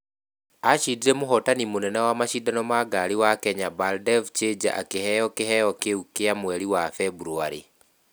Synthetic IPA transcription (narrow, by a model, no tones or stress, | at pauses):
aʃidiɾemoɦɔtanimonɛnɛwamaʃidanɔmaɡaɾiwakɛɲabaldɛvt͡ʃed͡ʒa̰ʔa̰kehɛjɔkeɦɛjɔkeukːeamwɛɾiwafɛbuɾuaɾḭ